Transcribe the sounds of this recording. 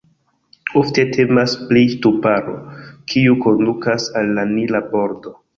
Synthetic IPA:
ofte̞tʰe̞masplitupaɾo̰kʰiuko̞ndukasalːanilabo̞ɾdo̞

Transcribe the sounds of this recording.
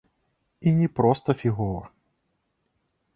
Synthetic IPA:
inʲɛpɾɔst̪ɐfʲiɣɔɾɐ

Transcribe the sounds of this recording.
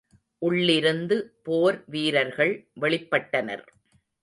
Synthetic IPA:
ʔʊɭːɪɾɯnd̪ɯpoːɾʋiːɾɐɾɣɐɭʋɛɭɪpːɐʈːɐnɐ̰ɾ

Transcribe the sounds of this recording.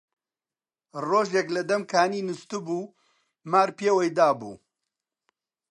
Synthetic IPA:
roːʒeklɐd̪ɐmkʰaːniːnɨst̪ubuː | maːɾpeːwɐjd̪aːbṵː

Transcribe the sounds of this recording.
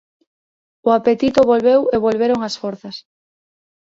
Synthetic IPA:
ʊapet̪it̪ʊβolβeweβolβeɾʊŋɐsfoɾθɐs

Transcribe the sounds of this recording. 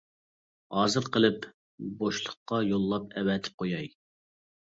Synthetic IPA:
hɑːzɨɾqʰəlˠɨp | boʃlˠəqːɑjolˠːɑpɛwɛt̪ʰɪ̥p̚qʰojɑj

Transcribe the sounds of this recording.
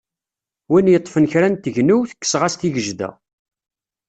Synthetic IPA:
winjət̪ˤːfənçɾænt̪əʝnuwθə̥kːə̥sʁæst̪iʝəʒðæ̰

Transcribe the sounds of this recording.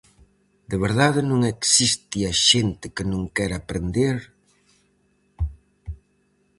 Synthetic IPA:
d̪eβeɾðaðɪnõŋɛksist̪iaʃent̪ɪkɪnõŋkɛɾapɾend̪eɾ

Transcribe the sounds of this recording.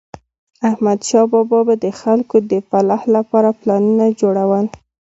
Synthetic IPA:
ahmad̪ʃɑbɑbɑbad̪əxalkod̪əfalahlapɑɾaplɑnunad͡ʒoɽawəl

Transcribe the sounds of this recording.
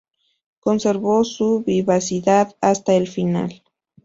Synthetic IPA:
konseɾβosuβiβasiðaðast̪aelfina̰l

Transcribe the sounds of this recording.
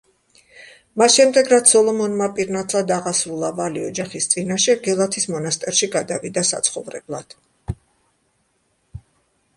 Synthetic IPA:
masʃɛmd̪ɛɡɾat̪sʰsɔlˠɔmɔnmapʼiɾnat̪ʰlˠad̪aʁasɾulˠavaliɔd͡ʒaχist̪sʼinaʃɛɡɛlˠat̪ʰismɔnast̪ʼɛɾʃiɡad̪avid̪asa̰t̪sʰχɔvɾɛ̰blˠad̪̥

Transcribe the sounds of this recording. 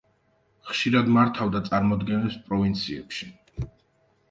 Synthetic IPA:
χʃiɾad̪maɾt̪ʰavd̪at̪sʼaɾmɔd̪ɡɛnɛpspʼɾɔvint̪sʰiɛ̰pʃi̥

